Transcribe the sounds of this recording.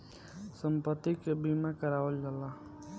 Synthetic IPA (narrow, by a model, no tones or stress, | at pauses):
səmpət̪ːikbiːmãkəɾaːʋəld͡ʒalaː